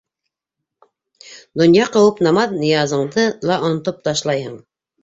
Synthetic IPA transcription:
d̪ŏnjɑqɤ̆wɤpnɑmɑðnijɑzɤ̆ɴd̪ɤlˠɑʔonŏt̪op̚t̪ɑʃlˠɑjɤɴ

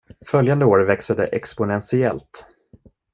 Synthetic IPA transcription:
fœljand̪əoːɾvɛksad̪ə̰ʔɛkspʊnɛnsɪɛlt̪

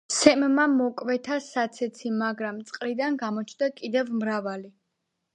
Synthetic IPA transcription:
sɛmmamɔkʼvɛt̪ʰasat̪sʰɛt̪sʰimaɡɾamt̪sʼqʼlid̪anɡamɔt͡ʃʰnd̪akʼid̪ɛvmɾavali

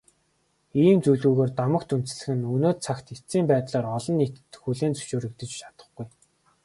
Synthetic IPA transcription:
iːmt͡sujɮuːɣoːrt̪amə̆kt̪un̥t͡s̆ɮɘ̆xɘ̆nɵnoːt̪t͡sʰakt̪it͡siːmpæːt̪ɮaːrɔɮɞ̆nːit̪xuɮeːnt͡sɵ̥ʃoːɾɘ̆k̚t̪ɘ̆t͡ɕʃʰat̪ə̥̆χɡuj

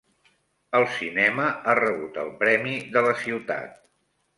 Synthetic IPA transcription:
əlˠsinɛməarəβut̪ə̰lˠpɾɛmiðələsiwt̪a̰t̪̚

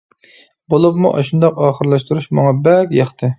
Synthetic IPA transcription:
bolˠupmṵʔɑ̰ʃund̪ɑqɑːχəɾlˠɑʃt̪uɾuʃmɑ̰ŋɑbɛkʲjɑχt̪ʰɨ

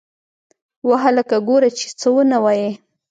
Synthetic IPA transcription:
waɦaləkaɡoɾat͡ʃe̥t͡səwənawaje

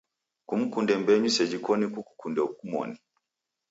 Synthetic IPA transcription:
kum̩kundɛmbɛɲusɛd͡ʒikɔnikuku̥kundɛuk̚umɔ̰ni

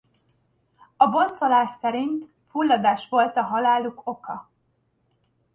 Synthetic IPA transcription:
ɒbo̞nt̪so̞laːʃsɛɾint̪ | fulːɒd̪aːʃʋo̞lt̪ɒɦɒlaːluko̞kɒ

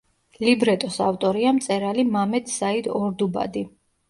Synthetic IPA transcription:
libɾɛt̪ʼɔsaft̪ʼɔɾiamt̪sʼɛɾalimamɛt̪ʰsaid̪ɔɾd̪uba̰d̪i

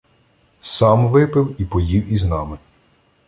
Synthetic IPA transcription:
sɑmʋɪpɪwipɔjiwiznɑmɪ

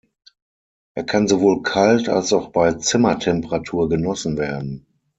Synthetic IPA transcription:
ʔeːɐkʰanzovoːlkʰalta̰lsaʊxb̥aɪt͡sɪmɐtʰɛmpəʁatʰuːɐɡənɔsn̩veːɐdn̩

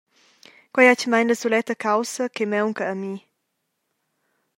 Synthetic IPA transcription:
kwajat͡ʃmajɲnlɐsulɛt̪ɐkawsɐkemɛwŋkɐːmi

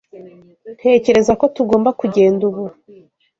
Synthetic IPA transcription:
n̥he̞ːce̞ɾe̞zako̞tuɡo̞ːmbakuɟe̞ːnduβu

